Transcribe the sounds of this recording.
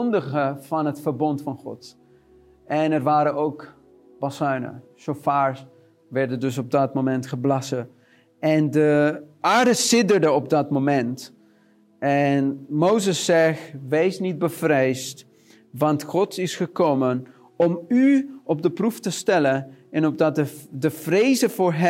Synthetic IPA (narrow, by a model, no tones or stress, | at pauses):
ɔndəχəvɑnɦətfəɹbɔntfɑnχɔ̰t | ʔɛnɛrʋaːɾənowk | b̥ɑsœɥnə̰sofaːɹs | ʋɛɹdəndɵsɔb̚dɑt̚momɛntχəblɑsə | ɛndəʔaːɹdəsɪdəɹdəɔb̚dɑtmomɛnt | ɛnmowzəsːɛxʋejsnid̚bəvrejst | ʋɑntχɔtɪsχəkowmən | ɔmyɔb̚dəpruftəstɛlənɛnɔp̚dɑtədəvrejzəvʊːɹɦɛ